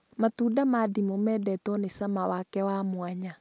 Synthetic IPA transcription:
matuːdamadimomɛdɛtɔnesamawakɛwamwaɲa

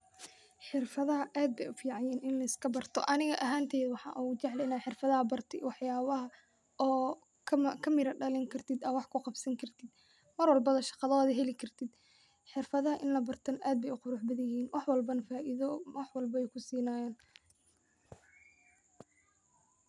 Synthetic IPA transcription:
ħɪrfɐðɐɦɐʔaːd̪̚bɛjʊfiːʕɑjɛːnɪnlɐɪskʰɐbɐrt̪ʰɔ̰ʔɐnɪɣɐʔɐɦaːnt̪ʰɛːðwɑħɑ̰ːʔut͡ʃɛʕlɛjnaːħɪrfɐðɐhɐbɐrt̪ʰɪwɑħjaːβɐɦɐ | ɔː | kʰkʰɐmɪɾɐɖɐlɛŋkʰɐrt̪ʰɪd̪ɐwɑħkʰʊqɑbsɐŋkʰɐrt̪ʰɪd̪ | mɐrwɑlbɐðɐʃɑ̥qɑðɔːðɦɛlɪkʰɐrt̪ʰɪd̪ | ħɪrfɐðɐɦɐʔɪnlɐbɐrt̪ʰɐnʔaːd̪̚bɛjʊqʊɾʊħbɐðɪjiːnwʔɑħwɐlbɐnɐfaːʔɪðɔwɑħwɐlbɐɛjkʰʊsiːnaːjaːn

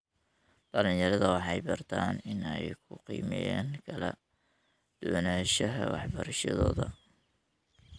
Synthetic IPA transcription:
d̪̥ɐlɪnjɐɾɐðɐwɑħɑjbɐrt̪ʰaːnɪnɛjkʰʊqḭːmɛjaːŋkʰɐlɐ | d̪̥ʊwnaːʃɐɦɐwɑ̰ħbɐɾɐʃɐðɔːðɐ

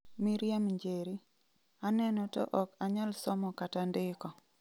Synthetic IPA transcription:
miɾjamɲd͡ʒeɾi | anɛnɔtɔ̰ʔɔkaɲalsɔmɔkatandɪkɔ

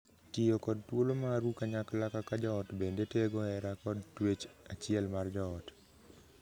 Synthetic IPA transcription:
tɪjokɔd̚twolomaɾukaɲaklakakad͡ʒɔɔtbendeteɡɔɛɾakɔdtwet͡ʃat͡ʃɪɛlmard͡ʒɔɔt

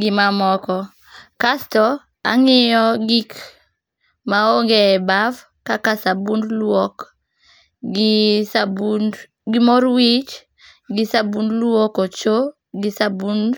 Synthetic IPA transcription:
ɡɪmamɔkɔ | kastɔ | a̰ŋɪjɔɡik | maoŋɡeːbav | kakasabundlwɔk | ɡɪsabun | ɡɪmɔɾwit͡ʃ | ɡɪsabundlwɔkɔt͡ʃo | ɡɪsabund

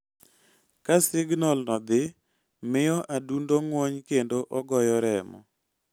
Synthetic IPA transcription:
kasɪɡnɔlnɔd̪ɪ | mɪjɔʔadundoŋwoɲkendoʔɔɡɔjɔɾɛmɔ̰

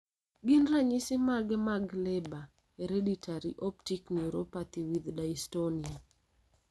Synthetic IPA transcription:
ɡɪnraɲisɪmaɡɛmaɡlɛba | eɾeditʰaɾiʔɔptikniɾopat̪iwid̪daistonia

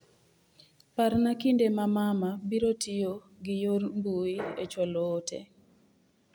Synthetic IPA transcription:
paɾnakindemamamabiɾotijo | ɡɪjormbuiet͡ʃɔloːtḛ

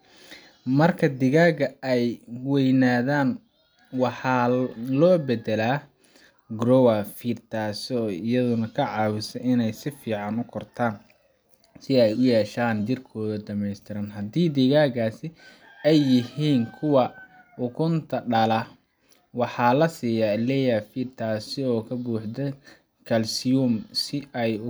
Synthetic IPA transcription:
mɐrkʰɐd̪ɪɣaːɣɐɛjwɛjnaːðaːn | wɑħɑːlɔːbɛd̪ɛlaː | ɡɾɔwafiːrt̪ʰaːsɔːɪjɐðʊnɐkʰɐʕɑːwʊsɛʔɪnɛjsɪfiːʕɑnʊkʰɔrt̪ʰaːn | sɪɛjʊjɛːʃaːnd͡ʒɪrkʰɔːðɐd̪ɐmɛjst̪ʰɪɾɐnɦɐd̪iːd̪iːɣaːɡaːsɪ | ɛjːɪhiːnkʰʊwɑ | ʊkʰʊnt̪ʰɐɖɐlɐ | wɑħɑːlɐsiːjaːlɛːjafiːrt̪ʰaːsɪɔːkʰɐbuːħd̪ɐ | kʰɐlsɪjumsɪɛj

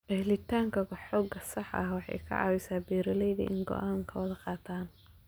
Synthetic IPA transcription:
ʔɛhlɪt̪ʰaːŋkʰɐɡħɔːɡɐsɑħʔɐ̰hwɑħɑ̰jkʰɐ̰ʕɑ̰ːwɪsaːbɛːɾɐlɛjðɐ̰ʔɪŋɡɔ̰ʔaːŋkʰɐwɐðɐqɑːt̪ʰaːn

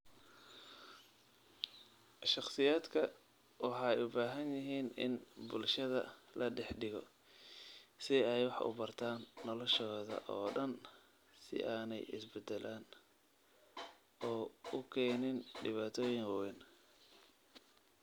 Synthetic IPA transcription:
ʃɑχsɪjaːd̪kʰɐ | wɑħɑːɛjʊbaːɦɐnjɪɦiːnɪ̰nbʊlʃɐðɐ̰lɐɖɛħɖɪɣɔ̰ | sɪɛjwɑħʊ̰bɐrt̪ʰaːnːɔlɔʃɔːðɐ̰ʔɔːɖɐn | sɪ̰ʔaːnɛ̰jɪ̰sbɛd̪ɛlʔaːn | ɔːʊkʰɛːnɪnɖɪβaːt̪ʰɔːjɪŋwɛn

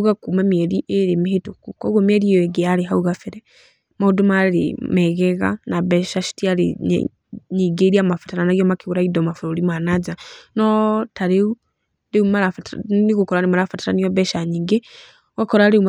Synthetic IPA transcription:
ɣakumamɛɾiʔeɾemiɦetukukɔɣɔmɛɾijɔɛɡeaɾeɦauɣafeɾɛ | maudomaɾemɛɣɛɣa̰naβɛʃaʃi̥tiaɾḛ | ɲiɡeɾiamafḁtaɾanaɣijɔmakiɣuɾaidɔmafuɾolimanad͡ʒanɔtaɾeu | leumalafatniɣukɔɾanimaɾafataɾanijɔβɛʃaɲiŋɡe | wakɔɾaɾeum

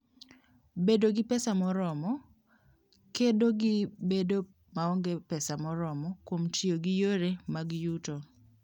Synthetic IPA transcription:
bedoɡɪpɛsamɔɾɔmɔ | kedoɡɪbedo | maɔŋɡepɛsamɔɾɔmɔkwomtjoɡɪjoɾemaɡjuto

